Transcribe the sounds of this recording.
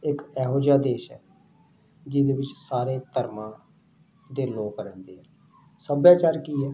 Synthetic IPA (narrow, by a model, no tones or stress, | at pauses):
ɪkɛːɦoːd͡ʒaːd̪eːʃɛ̰ː | d͡ʒɪd̪eːʋɪt͡ʃsaːɾeːt̪əɾmãː | d̪eːloːkəɾɛ̃ːnd̪eːɦɛː | səbjaːt͡ʃaːɾkiːɛː